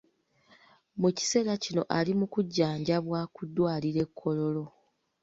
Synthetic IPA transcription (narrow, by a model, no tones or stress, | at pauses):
muci̥se̞ːɾacino̞ʔalimukuɟːaːɲɟaβwaːkudːwaːliɾe̞kʰːo̞lo̞lo̞